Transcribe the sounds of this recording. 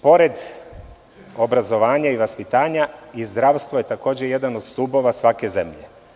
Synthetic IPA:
po̞ɾe̞d̪ | obɾazo̞ʋaːɲaiʋaspit̪aːɲaizd̪ɾaːʋst̪ʋoje̞t̪ako̞ːd͡ʑeje̞d̪ano̞d̪̥st̪uːbo̞ʋasʋake̞zḛmʎḛ

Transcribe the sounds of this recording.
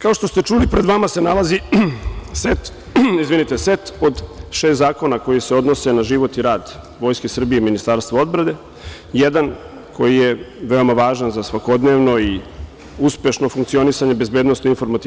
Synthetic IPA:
kao̞ʃt̪o̞st̪e̞t͡ʃuːlipɾed̪ʋamase̞nalazi | set̪ | izʋinit̪eset̪od̪ʃest̪zaːko̞nako̞jise̞o̞d̪nosenaʒiʋo̞t̪iɾaːd̪ | ʋo̞jskesr̩bijeminist̪aːɾst̪ʋao̞d̪bɾad̪e̞ | jed̪an | kʰo̞jijeʋe̞o̞maʋaːʒanzasʋako̞d̪ne̞ʋno̞i | uspje̞ʃno̞fuŋkt̪sio̞nisaɲebe̞zbed̪nosoinfo̞ɾmat̪i

